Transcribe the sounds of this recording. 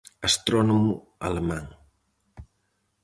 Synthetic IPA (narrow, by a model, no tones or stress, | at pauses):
ast̪ɾɔnomu | a̰lemaŋ